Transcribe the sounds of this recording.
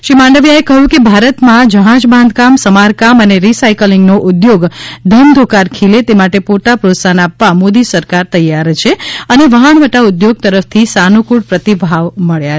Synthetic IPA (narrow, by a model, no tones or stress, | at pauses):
ʃimãɳɖəʋjaekəɦũkebʱaɾət̪mãd͡ʒəɦãd͡ʒbãnd̪̚ʱkamsəmaɾkaməneɾisajkəliŋɡnoʔʊd̪joɡd̪ʱənd̪ʱokaɾkʰilet̪emaʈepoɾt̪apɾot̪sanapʋamod̪isəɾkaɾt̪əjːaɾt͡ʃʰeəneʋəɦəɳʋəʈaʊd̪joɡ̚t̪əɾəft̪ʰisanukuɽpɾət̪ibʱaʋməɭja